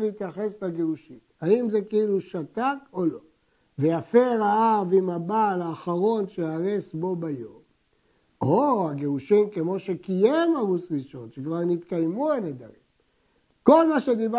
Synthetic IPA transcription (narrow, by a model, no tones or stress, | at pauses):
leit̪jaχe̞slaɡeuʃimhaimzekeiluʃat̪ako̞lo̞ | vejafeʁaavimabalaːχaʁo̞nʃeaʁesbo̞bajo̞m | oaɡeuʃimkemo̞ʃekijemaʁusʁiʃo̞nʃekvaʁnit̪kajmuened̪a̰ʁim | ko̞lmaʃe̞d̪iba